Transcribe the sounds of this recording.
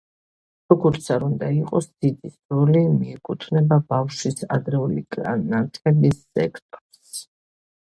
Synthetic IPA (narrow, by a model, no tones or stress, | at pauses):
ɾɔɡɔɾt̪sʰaɾund̪aiqʼɔsd̪̥id̪isulimiɛkʼut̪ʰvnɛbabafʃwisa̰d̪ɾɛulḭkʼanat̪ʼʰɛlisːɛkʰt̪ʼɔɾs